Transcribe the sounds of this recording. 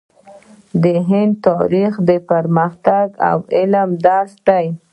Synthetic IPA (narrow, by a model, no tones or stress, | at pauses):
d̪əɦɪnd̪t̪ɑɾixd̪əpaɾməxt̪aɡa̰wɪlmd̪ɑsd̪aj